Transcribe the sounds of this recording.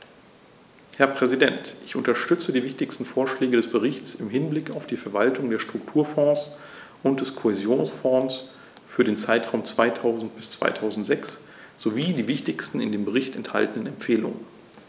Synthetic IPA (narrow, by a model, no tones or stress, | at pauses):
hɛɐpʁ̥ɛzidɛntʔɪçʔʊntɐʃtʏt͡sədiːvɪçtɪçstn̩foːɐʃlɛːɡəɾɛsb̥əʁɪçt͡sɪmɦɪnblɪkaʊfd̥iːfɛɐvaltʰʊŋdeːɐʃtʁ̥ʊk̚tʰuːɐfɔ̃ːs | ʔʊntd̥ɛskʰohezjoːnsfɔ̃ːs | fyːɐɾeːnt͡saɪtʁ̥aʊmt͡sv̥aɪtʰaʊzn̩t̚b̥ɪst͡sv̥a̰ɪtʰaʊzn̩tz̥ɛks | z̥oviːdiːvɪçtɪçstn̩ɪndeːmbəʁɪçtɛntha̰ltn̩ənɛmp͡feːlʊ̰ŋən